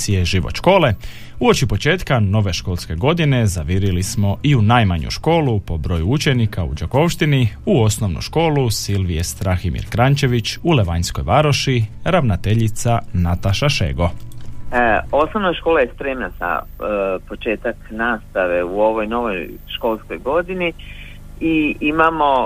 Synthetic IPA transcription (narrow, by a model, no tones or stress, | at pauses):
ieʒiʋo̰ʃko̞ːle̞ | uot͡ʃipo̞t͡ʃe̞ːt̪kano̞ʋe̞ʃko̞ːlˠske̞ɡo̞d̪ine̞zaʋiɾilismo̞ʔiunajmaɲṵʃko̞ːlupo̞bɾo̞ːjuut͡ʃe̞nikʰaṵd͡ʒoko̞ʃt̪iniuo̞sno̞ʋnṵʃko̞ːlusilʋijest̪ɾaximḭɾkɾant͡ʃe̞ʋit͡ɕule̞ʋaɲsko̞̰jʋaɾo̞ʃiɾaʋnat̪eʎit̪sanat̪aʃaʃḛːɡo̞ | o̞snoʋnojʃko̞ːlajespɾeːmnasa̰ | pot͡ʃe̞ːt̪aknaːst̪aʋeuo̞ʋo̞jno̞ʋojʃko̞lˠskojɡo̞d̪ini | iimamo̞